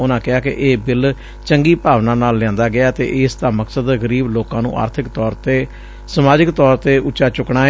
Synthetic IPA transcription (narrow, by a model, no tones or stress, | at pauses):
ʊnãːkɪaːkɪ̰ʔeːbɪl | t͡ʃəŋɡiːpaːʋnãːnaːlːãːnd̪aːɡɪaːt̪ḛːʔɪst̪ãːməksəd̪ɣəɾiːbloːkãːnṵ̃ːʔa̰ːɾt̪ʰɪkt̪ɔːɾt̪eː | səmaːd͡ʒɪkt̪ɔːɾt̪eːʔʊt͡ʃʃaːt͡ʃʊkɳãː